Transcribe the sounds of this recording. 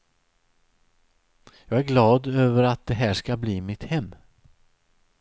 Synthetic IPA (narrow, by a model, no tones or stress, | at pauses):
jɑːɡæɾɡlɑːd̪øːvəɾat̪̚d̪ɛɦæːʂkabliːmɪt̪hɛmː